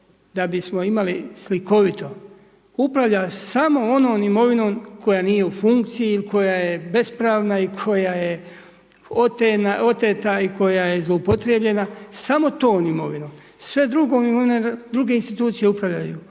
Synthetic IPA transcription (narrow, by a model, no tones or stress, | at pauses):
d̪abismo̞imalisliko̞ʋit̪ʰo̞ | upɾaʋʎasamo̞o̞no̞ːnimo̞ʋino̞ːmkʰo̞jaːniːje̞ufuŋk̚t̪sijiilikʰo̞jajebe̞spɾaːʋnaikʰo̞jaje̞ | ot̪enao̞t̪et̪aikʰo̞jaje̞zlˠo̞upo̞t̪ɾebʎe̞nasamo̞t̪o̞ːnimo̞̰ʋinoːm | sʋe̞d̪ɾuɡoːmimoʋined̪ɾuɡe̞inst̪it̪uːt̪sije̞upɾaʋʎa̰jṵ